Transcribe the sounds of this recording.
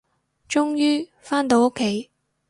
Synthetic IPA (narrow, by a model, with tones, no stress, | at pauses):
t͡ʃʊ˥ŋjyː˥ | faː˥nt̪o˨˧˥wʊ˥kʰːe˨˥j